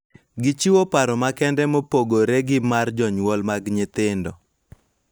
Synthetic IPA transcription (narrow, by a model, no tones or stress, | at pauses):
ɡɪt͡ʃiwopaɾɔmakɛndɛmopoɡoɾɛɡɪmard͡ʒɔɲwɔlmaɡɲɪt̪ɪndɔ